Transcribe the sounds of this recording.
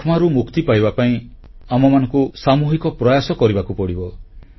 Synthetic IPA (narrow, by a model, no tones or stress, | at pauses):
kʰmaɾumukt̪ipajbapaĩ | amɔmanɔŋkusamuɦikɔpɾɔjasɔkɔɾibakupɔɽibɔ